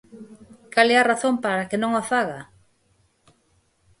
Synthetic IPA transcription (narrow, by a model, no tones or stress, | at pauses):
kalɛaraθompaɾakenõŋafaɣa